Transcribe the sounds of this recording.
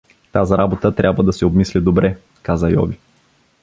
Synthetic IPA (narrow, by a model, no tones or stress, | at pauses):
t̪aziɾabot̪ət̪ɾʲabvəd̪ɐsɛobmislid̪obɾʔɛ | kazəjɔ̰vi